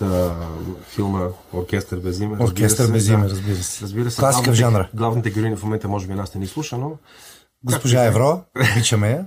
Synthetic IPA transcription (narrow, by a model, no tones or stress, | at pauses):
ə | filˠməoɾkʲɛst̪ɾbɛzimoɾkkʲɛst̪əɾbɛzimɛɾəzbiɾəsɛ̥ɾɐzbiɾəsklˠasikəvʒanɾəɡlˠavnit̪ɛɡʲiɾoinifmomɛnt̪əmɔʒɛbinasnɛnislˠuʃəno | ɡospoʒaɛvɾɔit͡ʃɐmɛ